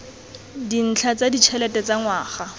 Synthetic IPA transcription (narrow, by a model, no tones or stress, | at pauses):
din̩t͡ɬʰat͡sadit͡ʃʰɛlɛtɛt͡saŋwaːχa